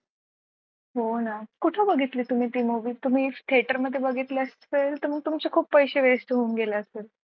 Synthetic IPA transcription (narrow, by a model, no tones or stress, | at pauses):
ɦonakuʈʰəbəɡʱit̪liːt̪um̤iːt̪iːmoʋiːt̪um̤iːt̪ʰieʈəɾməd̪ʱːjebəɡʱit̪liəs | elt̪əɾm̤əɡ̚t̪umt͡ɕekʰuːpːəjɕeʋesʈɦounɡelaəsel